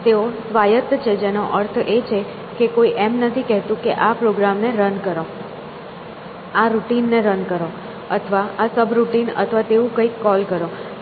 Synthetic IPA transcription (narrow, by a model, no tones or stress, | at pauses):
t̪eosʋajət̪t͡ʃʰed͡ʒenoʔəɾt̪ʰet͡ʃʰe | kekoiʔemnət̪ʰikɛɦt̪ũkeʔapɾoɡɾamneɾənkəɾo | aɾuʈinːeɾənkəɾo | ət̪ʰəʋaːsəbʱɾuʈinə̰t̪ʰəʋat̪eũkəikːɔlkəɾo